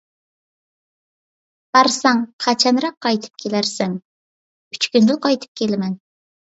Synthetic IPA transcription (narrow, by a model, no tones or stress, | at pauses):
b̥ɑɾsɑŋqʰɑt͡ʃʰɑnɾɑqʰːɑjt̪ʰɨ̥p̚kʲʰelæɾsæŋ | y̥t͡ʃkʲynd̪ɪlˠqɑjt̪ʰɨ̥p̚kʲʰelɪmɛn